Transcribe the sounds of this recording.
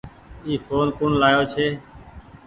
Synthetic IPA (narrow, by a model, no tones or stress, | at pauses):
iːfʰoːnkʊɳlaːjoːt͡ʃʰeː